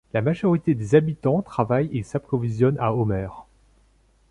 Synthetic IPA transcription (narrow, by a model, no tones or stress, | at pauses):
lamaʒɔʁit̪ed̪ezabit̪ɑ̃t̪χavajesapχɔvizjɔnaɔmɛːʁ